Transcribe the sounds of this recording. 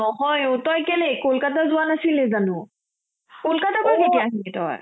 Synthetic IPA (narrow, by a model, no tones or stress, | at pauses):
ɔɦɔjotɔjkelekolkatazʊwanasilɛzanʊ | kolkatakɔketijaɦiletɔ̰j